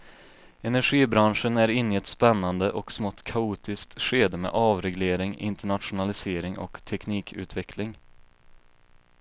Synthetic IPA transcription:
ɛnæɾɧiːbɾanʂənæɾɪnːɪɛt̪spɛnːand̪əʔɔksmɔt̪kʰauːt̪ɪskt̪ɧeːd̪əmḛːʔɑːvɾɛɡleːɾɪŋɪ̰nt̪əɳat̪ɧʊnalɪseːɾɪŋɔ̰kt̪ʰɛkniːkʰʉ̟̰ːt̪vɛkʰlɪŋ

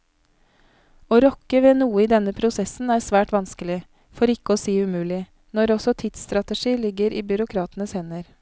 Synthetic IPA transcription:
oːɾɔkːəʋeːnuːəiːd̪ɛnːəpʰɾʊsɛsn̩æɾsʋæːʈʋɑnskəlɪ | fɔɾɪkːəɔːsiːʉmʉːlɪ | nɔɾɔsɔt̪ʰɪt̪st̪ɾɑt̪əʂiːlɪɡːəɾʔiːbʏɾʊkʰɾɑːt̪ənəshɛnəɾ

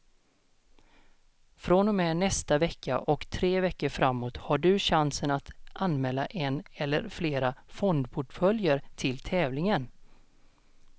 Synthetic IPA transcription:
fɾɔnɔmɛnɛst̪avɛkːa̰ʔɔkt̪ʰɾeːvɛkːəɾfɾamːoːt̪haɖɵɕansənat̪ʔanmɛːlːaʔɛnɛlːə̰ɾfleːɾafɔnd̪pʰʊʈfœljəɾt̪ʰɪlt̪ʰɛːvlɪŋən

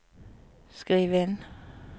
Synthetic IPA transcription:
skʁiːʋen

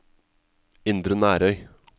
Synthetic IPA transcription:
ɪnd̪ɾənæːɾœʏ

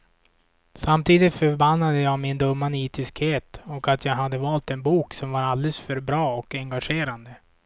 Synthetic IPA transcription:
samt̪ʰiːd̪ɪt̪fœɾbanːad̪əjɑːmɪnd̪ɵmːaniːt̪ɪskheːt̪ɔkat̪ʰjɑːɡɦad̪ːəvɑːlt̪ɛnbuːksɔmvaɾald̪ɛləsfœɾbɾɑːɔkɛŋɡaɧeːɾand̪ə

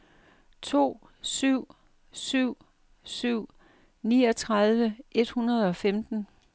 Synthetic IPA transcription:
t͡sʰo̝̰ː | syʊ̰ | syʊ̰ | syʊ̰ | niːɒ̽t͡sʰʁɑðˠʋəʔe̝d̥hunɐð̞ˠɒ̽femd̥n̩

